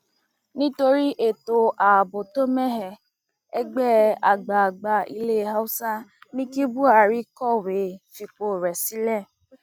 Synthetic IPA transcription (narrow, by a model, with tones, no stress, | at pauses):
nĩ˦to˧ɾi˦ʔe˨to˨ʔa˨bo˨to˦mɛ˦ɦɛ˧ | ɛ˦ɡ͡bɛ˦˨a˨ɡ͡ba˨ɡ͡ba˧ḭ˧le˦˨ɦa˦u˦sã˦nĩ˦ki˦bu˦a˨ɾi˦kɔ˦˨we˨fi˨k͡po˨ɾɛ˨si˦lɛ˦˨